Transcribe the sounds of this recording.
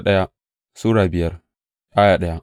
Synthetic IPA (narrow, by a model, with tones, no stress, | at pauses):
ɗɐ˦ja˦ | suː˦ɽaː˨bɪ˨jɐ˦r | jaː˦jaː˨ɗɐ˦ja˦